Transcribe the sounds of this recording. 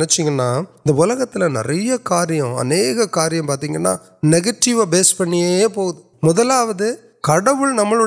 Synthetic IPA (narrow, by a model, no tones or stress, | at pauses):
nɛt͡ʃːɪŋɡɐnːaːɪnd̪ɐʊlɐɣɐt̪ːɪlɐnɪ̰ɾɐjɐkaːɾɪjɐ̃ɐ̰neːɣɐkaːɾɪjɐ̃mpaːɾt̪̬iːŋɡɐnːa̰ː | nɛɣɐʈːɪʋabeːspɐɳːɪjeeːpoːɣɯðɯ | mʊðɐlaːʋɐðɯ | kɐɽɐʋɯɭnɐmːɐɭɯ